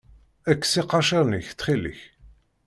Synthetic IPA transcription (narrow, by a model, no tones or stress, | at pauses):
ækːsiqːɑʃiɾniçt̪ːχilḭç